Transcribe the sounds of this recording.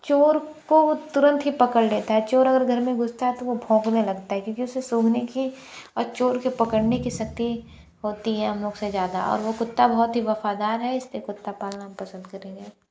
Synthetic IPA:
t͡ʃoːɾkot̪ʊɾə̃nt̪ɦipɐkəɽleːt̪aɦɛt͡ʃoːɾɐɡəɾɡʱɐɾmẽɡʊst̪aɦɛt̪oʋobʱõːknelɐɡt̪aɦɛkjõːkiʊsːesoːɡʱneki | ɔːɾt͡ʃoːɾkipɐkəɽnekisɐk̚t̪i | ɦoːt̪iɦɛɦɐmloːɡsezjaːd̪a̰ɔ̰ːɾʋokʊt̪ːabɐɦɔt̪ɦiʋɐfad̪aːɾɦɛɪslikʊt̪ːapaːlnaɦɐmpɐsə̃nd̪̚kɐɾẽːɡeː

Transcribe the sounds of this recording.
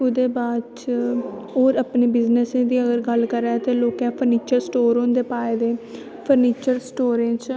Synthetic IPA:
ʊd̪eːbaːd̪t͡ʃ | ɦoːɾəpneːbɪznəsẽːd̪iːəɡəɾɡəlkəɾɛːt̪eːloːkɛ̃ːpʰəɾniːt͡ʃəɾsʈoːɾɦõnd̪eːpaːeːd̪eː | pʰəɾniːt͡ʃəɾsʈoːɾẽːt͡ʃ

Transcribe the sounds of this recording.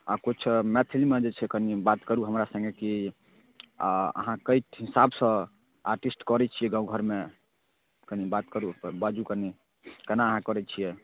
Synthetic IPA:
akut͡ʃʰmet̪ʰilimed͡ʒet͡ʃʰɛkənibat̪kəɾuɦəmɾasə̃ŋɡeki | ə̰ɦãkəjʈɦisabsə̃ | aɾʈisʈkɔɾɛt͡ʃʰijɛɡãũɡʱəɾme | kənibat̪kəɾubad͡ʒukəni | kənaəɦãkɔɾɛt͡ʃʰijɛ

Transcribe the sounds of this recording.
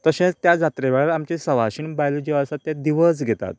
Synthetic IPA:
t̪əɕẽt͡st̪jad͡zat̪ɾeʋaɭɾamt͡ɕesəʋaɕinbajld͡ʑeəsat̪ːjãd̪iʋəs̬ɡʱet̪a̰t̪̚

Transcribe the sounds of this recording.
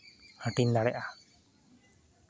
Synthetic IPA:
həʈind̪aɽɛʔa

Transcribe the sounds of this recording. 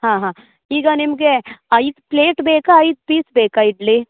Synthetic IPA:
ɦãːɦãː | iːɡanimkeait̪pleːʈbeːkaːit̪̚piːsbeːkaiɖle

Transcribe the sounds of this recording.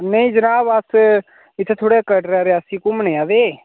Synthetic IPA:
nəĩːd͡ʒənaːbəs | ɪt̪ʰːeːt̪ʰoːɽeːkəʈɾaːɾeəsĩːkʊməneːaːʋeː

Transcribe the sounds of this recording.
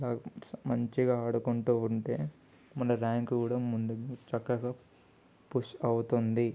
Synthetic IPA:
laːɐmɐɲt͡ʃiɡaːɐɽukuɳʈuːuɳʈe̞ː | mɐnːɐɾaːŋkuːɽɐmːund̪ut͡ʃɐkːɐɡaː | puʂɐwut̪und̪i

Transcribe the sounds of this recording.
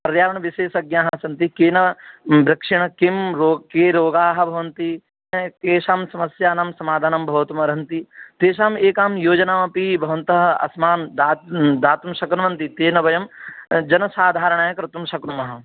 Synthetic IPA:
pɐɾjaːɾɐɳ̃ʋiʃeːʃɐɡjaːɦɐsɐnt̪ikeːnɐbɾɐkʂiɳɐkimɾoːkeːɾoːɡaːɦɐ̆bʱɐʋɐnt̪i | keːʃaːmsɐmɐsjaːnamsɐmaːd̪ʱaːnɐmbʱɐʋt̪umɐɾɐnt̪it̪eːʃaːmeːkaːmjoːd͡ʒɐnaːmɐpibʱɐʋɐnt̪ɐɦɐɐ̰smaːnd̪aːd̪aːt̪umʃɐkɾumɐnt̪it̪eːnɐbɐjɐmd͡ʒɐnɐsaːd̪ʱaːɾɐɳ̃aːjɐkɾɪt̪umʃɐkɾumɐɦɐ̆

